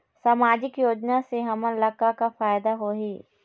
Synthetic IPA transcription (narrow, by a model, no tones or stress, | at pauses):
saːmaːd͡ʒɪkjoːd͡ʒnaseɦɐməlɐkakafaːjd̪aɦoːɦeː